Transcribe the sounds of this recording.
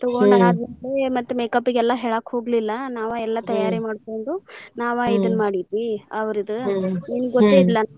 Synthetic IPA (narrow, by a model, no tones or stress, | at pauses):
t̪ɔɡoɳɖɦaːd̪nɐlemɐt̪ːumeːkɐpːiɡɛlːɐɦeːɭaːkho̞ːɡlilːɐnaːʋaɛlːɐt̪ɐjaːɾimaːɖsko̞ɳɖunaːʋaid̪ɐnːmaːɽid̪ʋiɐʋɐɾid̪uninɡot̪ːeːd̪ilːɐ